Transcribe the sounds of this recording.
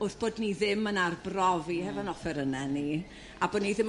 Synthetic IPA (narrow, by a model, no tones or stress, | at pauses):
ʊθb̥oːdniðɪmənarbrɔvihɛvɔnɔfɛɾənɛni | aboːdniðɪm